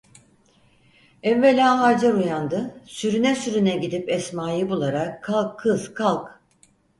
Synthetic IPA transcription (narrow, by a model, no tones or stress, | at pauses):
ɛɱvelʲaːɦaɾd͡ʒaɾujand̪ɯsyɾynɛsyɾynɛɟid̪ipɛsmaːjɯbulˠaɾakʰːalˠkʰːɯzkʰalˠk